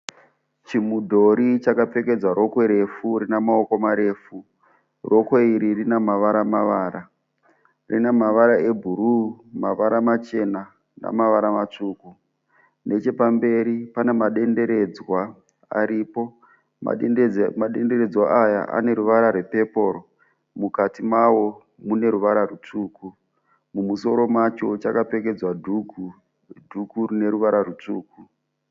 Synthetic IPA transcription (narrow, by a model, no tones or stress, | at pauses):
t͡ʃimudʱo̞ɾit͡ʃakap͡fe̞ke̞d͡zwaɾo̞kwe̞ɾe̞furinamaoko̞maɾe̞ːfu | rʔo̞kweiɾirinamaʋaɾamaʋaːɾa | rḭnamaʋaɾae̞bʱuɾumaʋaɾamat͡ʃe̞na | na̰maʋaɾamat͡ʂuːku | ne̞t͡ʃe̞pambe̞ɾipane̞maɗende̞ɾe̞d͡zwa | a̰ɾiːpo̞ | ma̰maɗe̞nde̞ɾe̞d͡zwaaja̰ʔa̰ne̞ɾuʋaɾarwepe̞po̞ɾo̞ | mukatimawo̞ | mune̞ɾuʋaɾarut͡ʂuːku | mumuso̞ɾo̞mat͡ʃo̞t͡ʃakape̞ke̞d͡zwau | dʱukurine̞ɾuʋaɾarut͡ʂuːku